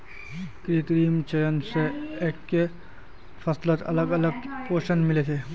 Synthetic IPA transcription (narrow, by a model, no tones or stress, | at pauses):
kɾit̪ɾiːmt͡ʃɐjənseeːkːe | pʰɐslət̪ɐ̰ləɡɐləɡpoːʃənmɪlet̪ʰe